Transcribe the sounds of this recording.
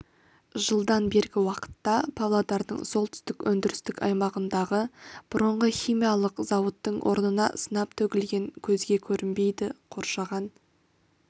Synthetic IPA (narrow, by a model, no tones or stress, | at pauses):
ʒəlˠd̪ɑnbe̞ɾɡʲɪwɑqə̥t̪ːɑpʰavlˠad̪ɑɾd̪ə̰ɴso̞lˠt̪ʰʏ̥st̪ɪkwɵnd̪ɪɾɪst̪ɪkɑ̰jmɑʁənd̪ɑʁəb̥ʊɾəɴʁəχʲijmijɑlˠəqzɑwət̪ːəɴwʔo̞̰ɾnənɑ̰sənɑp̚t̪ʰɵɡʲɪlɡʲe̞ŋkʲʰɵzɡʲe̞kʲʰɵɾɪnbe̞jd̪ɪqʰo̞ɾʃɑʁɑn